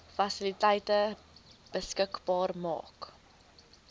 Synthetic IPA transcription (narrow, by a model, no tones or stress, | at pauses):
fɐsilitɛjtə | b̥əskəkbɑːrmɑ̰ːk